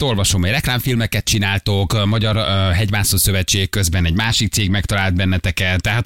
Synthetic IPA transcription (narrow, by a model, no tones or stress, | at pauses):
t̪o̞lvɒʃo̞mɛjrɛklaːɱfilmɛkɛt̪̚t͡ʃinaːlt̪okmɒɟɒrɦɛɟvaːsosøvɛt͡ʃeːkːøzbɛnɛɟmaːʃik̚t̪seːɡmɛkt̪ɒlaːld̪bɛnːɛt̪ɛkɛnt̪ːɛɦaːt̪